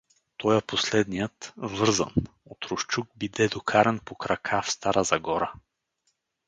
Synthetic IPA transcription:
t̪ɔjɛposlɛd̪nijət̪vɤɾzə̰n | ot̪ɾʊʃt͡ʃuɡ̚bid̪ɛd̪okʰaɾɛnpokɾɐkʰafst̪aɾəzɐɡɔɾə

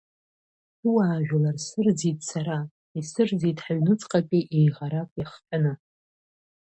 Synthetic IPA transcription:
suwaːʒᶣʷalarsɨrd͡zitʼsʰaɾa | isɨrd͡zitʰʼħaɥnɨt͡sʼqʼapʼiʔejʁaɾakʷʼaχtʰʼanɨ

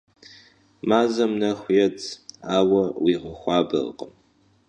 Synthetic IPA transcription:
maːzɐmnɐxʷjɛt͡sʰʼaːwɐwiːʁɐxʷɑːbɐ̰r̰qʼəm

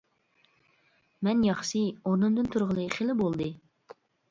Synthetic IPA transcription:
mɛnjɑχʃioɾnɨmd̪ɨnt̪ʰuɾʁəlˠɨχelɪbolˠd̪ɨ

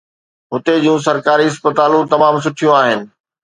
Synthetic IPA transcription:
ɦʊt̪ed͡ʑũːs̬ɐɾkaːɾiɪspət̪aːlũt̪ɐmaːms̬ʊʈʰijũaːɦɪnɪ̆

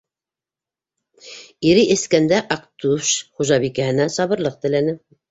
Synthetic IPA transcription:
iɾiʔɘ̆skænd̪æʔɑkt̪uʃχuʒɑβikæhɘ̆næsɑβɤ̆ɾlˠɤq̚t̪ɘ̆lænɘ

